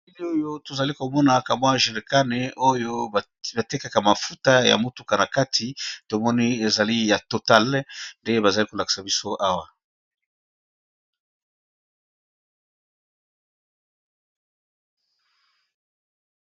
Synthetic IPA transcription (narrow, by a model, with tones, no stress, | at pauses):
i˦li˦o˦jo˦to˨za˨li˦ko˨mɔ˦na˨ka˨mwa˦ʒe˨le˨ka˦ne˨o˦jo˦˨ | ba˨te˦ka˨ka˨ma˨fu˦ta˦ja̰˨mo˦tu˨ka˨na˨ka˦tʰi˨to˨mɔ˦ni˦e˨za˨li˦ja˨to˨ta˦˨lnde˦ba˨za˨li˦ko˨la˨ki̥˨sa˨bi˦so˦ʔa˦wa˨